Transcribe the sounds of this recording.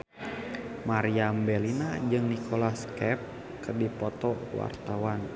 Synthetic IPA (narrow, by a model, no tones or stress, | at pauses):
maɾiambɛlinad͡ʒɨŋnikʰolaskɛp̚ | kɨrdipɔt̪ɔwa̰rt̪awan